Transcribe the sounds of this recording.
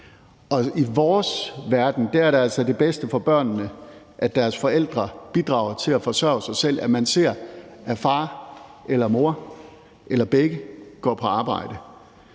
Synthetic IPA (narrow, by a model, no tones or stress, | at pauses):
ʔɒ̽iʋɒːsʋæɐd̥n̩d̥ææɐɾeæl̰sɒ̽d̥e̝b̥esd̥əfɒ̽b̥ɶɐ̰nːə | ʔæd̥æɐsfɒ̽el̰d̥ʁɐb̥id̥ʁɑ̈ʊ̰ɐt͡sʰe̝læfɒ̽sɶɐ̰ʊsɑ̈ɪsel̰ʔæmænse̝̰ɐ̰ʔæfɑ̈ːʔelɐmo̝ɐ̰ | ʔelɐb̥eɡ̥əɡ̥ɒ̰ːpʰɒ̽ɑ̈ːb̥ɑ̈ɪ̰d̥ə